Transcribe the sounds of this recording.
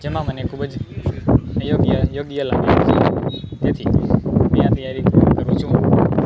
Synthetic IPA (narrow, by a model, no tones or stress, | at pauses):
d͡ʒeːmãmənekʰuɓəd͡ʒ | joɡjəjoːɡjəla̰ːmiet̪et̪ʰimijãt̪jaɾiəɾut͡ʃʰũ